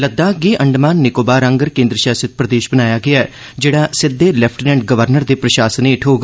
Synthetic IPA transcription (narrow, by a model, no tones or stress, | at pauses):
ləd̪ːaːɡiːʔə̃ɳɖmaːnːɪkoːbaːɾãːŋɡəɾkẽːnd̪ɾəʃaːsət̪̚pɾəd̪eːʃbənaːjaːɡɪaːɛ | d͡ʒeːɽaːsɪd̪ːeːlɛpʰʈnɛ̃ːɳɖ̚ɡəʋəɾnəɾd̪eːpɾəʃaːsəneːʈʰɦoːɡ